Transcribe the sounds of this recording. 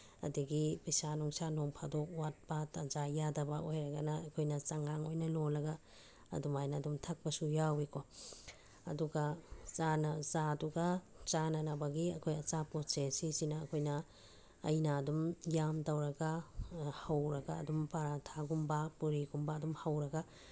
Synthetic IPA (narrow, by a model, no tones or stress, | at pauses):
ɐ̰diɡipijsanɔŋsanoŋpʰadok̚wat̚batazajadɐbɐʔojɾɐɡɐnɐːkʰojnɐt͡ʃaŋaŋojnɐlolɐɡa̰ː | dumajnadumtʰɐk̚bɐsujawikʰo | ɐ̰duɡazanɐzaduɡa | t͡ʃanɐnɐbɐɡiɐkʰojɐt͡ʃapɾɔsesisinɐːkʰojnɐ̰ː | jnaːdumjamtɐwɾɐɡahɐwɾɐɡa̰ːdumpaɾatʰaɡumbapuɾiɡumbɐːdumhɐwɾɐɡa